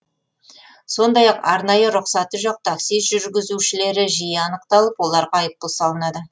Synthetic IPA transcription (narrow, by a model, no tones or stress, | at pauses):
so̞nd̪ɑjɑqɑɾnɑjəɾʊqsɑt̪ːəʒɑq̚t̪ʰaksijsʒ̥ʏɾɡʲɪzuʃɪle̞ɾɪʒijəɑnəqt̪ɑlˠəpwo̞lˠɑɾʁɑɑjəp̪̚ːəlˠsɑlˠənɑd̪ə